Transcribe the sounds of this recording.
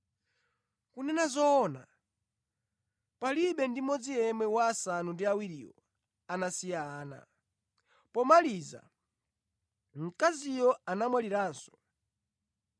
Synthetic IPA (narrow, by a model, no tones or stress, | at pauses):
kunɛnazɔna̰ | paliɓɛndimɔd͡zijɛmɛwaːsanundiawiɾḭːwɔ | anasijaːna̰ | pɔmaliza̰ | m̩kazijɔanamwaliɾaːnsɔ̥